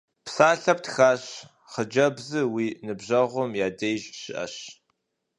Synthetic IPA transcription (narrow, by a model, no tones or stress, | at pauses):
psaːɬɐp̚txaːɕ | χəd͡ʒɐbzɨwiːnɨbʑɐʁʷʊmjaːdejʒɕɪʔɐ̰ɕ